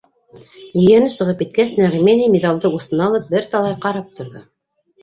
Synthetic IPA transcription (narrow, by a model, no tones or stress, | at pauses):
jɘ̆jænɘsɤ̆ʁɤpit̪̚kæsnæʁmʲenʲijmʲed̪ɑlˠd̪ɤusɤ̆nɑlˠɤp̚bɘɾt̪ɑlˠɑjqɑɾɑp̚t̪ŏɾðo